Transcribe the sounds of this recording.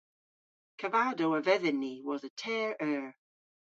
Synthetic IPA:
kʰəvaːdowəvɛðɪnːiwɔðətʰɛːɹɛːɹ

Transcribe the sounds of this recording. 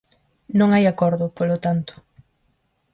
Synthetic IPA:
nõŋajakɔɾðʊpolot̪ant̪ʊ̥

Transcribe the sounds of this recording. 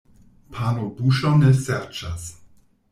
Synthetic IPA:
pʰanobuʃoneseɾt͡ʃas

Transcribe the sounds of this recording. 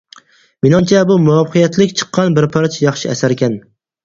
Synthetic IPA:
menɑmt͡ʃʰɛbumuɑfqʰɨjɛt̪lɪkʲt͡ʃʰɨ̥qʰːɑnbɪɾpʰɑɾt͡ʃʰjɑχʃɪæsæɾkʲɛn

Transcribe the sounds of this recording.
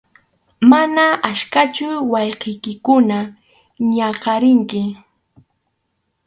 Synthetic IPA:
manaaʃkat͡ʃʊwɑjqejkɪkʊna | ɲɑqɑɾɪŋkɪ

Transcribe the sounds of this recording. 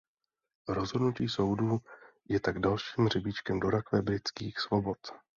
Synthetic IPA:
ɾo̞zɦo̞dnuciːso̞wduː | jɛt̪aɡdalʃiːmr̝ɪbɪt͡ʃkɛmdo̞ɾakvɛbɾɪt͡skiːxsvo̞bo̞t̪

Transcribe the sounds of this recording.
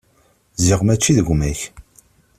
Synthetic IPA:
ziʁmæt͡ʃːiðəɡʷmæç

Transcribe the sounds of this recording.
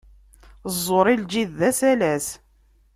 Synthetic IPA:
zˤːoɾˤild͡ʒiðːæsælæs

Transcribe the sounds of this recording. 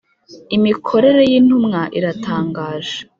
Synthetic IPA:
imikʰo̞ɾe̞ɾe̞jin̥umŋaʔiɾatʰaːŋɡaːʒe̥

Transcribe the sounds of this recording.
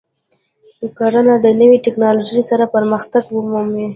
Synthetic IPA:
ukaɾanad̪ənəwiʈɪknɑloʒəjsaɾapəɾməxt̪aɡwəmume

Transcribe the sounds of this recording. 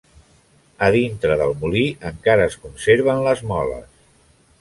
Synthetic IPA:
əðint̪ɾəðəlˠmuliʔəŋkaɾəːskunseɾβənləzmɔlə̰s

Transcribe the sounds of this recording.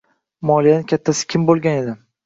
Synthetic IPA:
mɒlˠijanɪkʰʲat̪ʰːasɪ̥kʲʰɪmbolˠɡʲane̞d̪ɪ

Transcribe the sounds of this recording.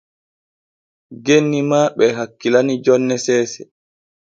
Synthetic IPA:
ɡenːimaɓɛɦakːilanid͡ʒɔnːɛsɛːsɛ

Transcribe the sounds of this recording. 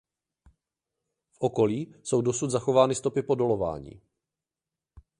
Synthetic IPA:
fʔo̞ko̞liːso̞wdo̞sud̪zaxo̞vaːnɪst̪o̞pɪpo̞do̞lo̞va̰ːɲḭː

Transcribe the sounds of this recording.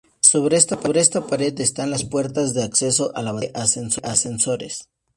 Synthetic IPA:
so̞βɾe̞est̪apaβɾe̞est̪apaɾe̞d̪est̪anlaspwe̞ɾt̪azðe̞akse̞so̞ʔalaβaʔasensoʔase̞nso̞ɾe̞̰s

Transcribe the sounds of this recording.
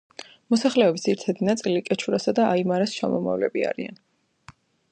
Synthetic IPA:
mɔsaχlɛɔbisɛɾt̪ʰɛd̪inat̪sʼilikʼɛt͡ʃʰuɾasad̪aaimaɾast͡ʃʰamɔma̰vlɛ̰bia̰ɾia̰n

